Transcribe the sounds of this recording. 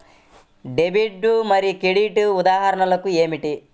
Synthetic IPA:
ɖebiɖːumɐɾikeɽiʈuud̪aːɦɐɾɐɳɐlɐkue̞ːmiʈi

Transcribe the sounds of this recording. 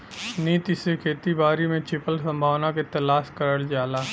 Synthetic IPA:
niːt̪isekʰeːt̪ibaːɾimẽt͡ʃʰɪpəlsɐ̃mbʱaːʋnaket̪ɐlaːskɐɾəld͡ʒaːlaː

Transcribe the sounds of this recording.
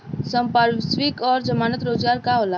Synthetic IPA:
sə̃mpaɾsʋikɔːɾd͡ʒəmaːnət̪ɾoːzɡaːɾkaɦoːla

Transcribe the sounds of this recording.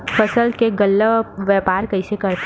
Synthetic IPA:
pʰəsəlkeɡəlːəʋɛːpaːɾkɐɪsekɐɾt̪

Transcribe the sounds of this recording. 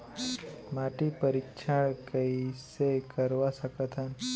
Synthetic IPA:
maʈipəɾikʃʰaɭkəisekəɾʋasəkət̪ʰən

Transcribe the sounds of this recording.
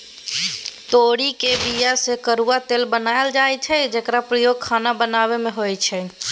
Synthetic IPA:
t̪oɽikebijasekəɾuat̪elbənaeld͡ʒajt͡ʃʰɛd͡ʒekɾapɾəjoɡ̚kʰanabənaβemeɦojt͡ʃʰɛ

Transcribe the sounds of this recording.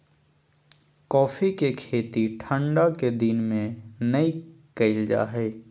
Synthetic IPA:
kɔːfʰikekʰeːt̪iʈʰə̃ɳɖaked̪inmẽnəikəɪld͡ʒa̰ːɦɛː

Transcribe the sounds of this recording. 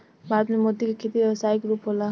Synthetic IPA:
bʱaɾət̪memod̪ikokʰet̪ibebəsaikɾupɦola

